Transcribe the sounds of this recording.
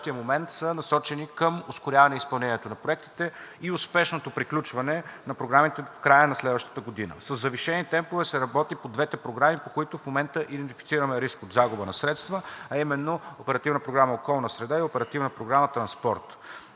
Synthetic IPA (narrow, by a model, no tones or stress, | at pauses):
t̪ijəmomɛnt̪sənɐsɔt͡ʃɛnikəmʊskʊɾʲavɐnɛispɐlˠnɛniɛt̪onɐpɾoɛk̚t̪i̥t̪ɛiʊspɛʃnot̪opɾiklʲut͡ʃvɐnɛnɐpɾoɡɾamit̪ɛfkɾajənɐslɛd̪vəʃt̪ə̥t̪əɡod̪inə̰səzːɐviʃɛnit̪ɛmpovɛsɛɾɐbɔt̪ipod̪vɛt̪ɛpɾoɡɾamipokoit̪ʊfmomɛnt̪əʔid̪ɛnt̪ifi̥tsiɾəmɛɾiskod̪zaɡʊbənɐsɾɛt̪st̪vəɐimɛnːoopɛɾɐt̪ivnəpɾoɡɾaməokɔlˠnəsɾɛd̪aiopɛɾɐt̪ivnəpɾoɡɾamət̪ɾɐnspɔɾt̪